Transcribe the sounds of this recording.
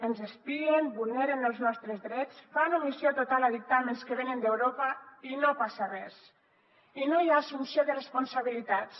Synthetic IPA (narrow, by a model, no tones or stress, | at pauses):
ənzəspiembulneɾenəlˠznɔst̪ɾəzðɾɛt͡sfanomisjot̪ot̪alˠəðik̚t̪amənskəβenənd̪ewɾopəinopasarɛs | inojasunsioðərəspunsaβ̞ilit̪at͡s